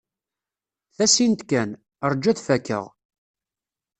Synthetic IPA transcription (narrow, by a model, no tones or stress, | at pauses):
θæsint̪kæn | əɾˤd͡ʒːæθfækːə̰ʁ